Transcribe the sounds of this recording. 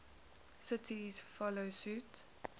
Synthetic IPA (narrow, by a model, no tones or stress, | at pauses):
sətʰisfɔləsʉt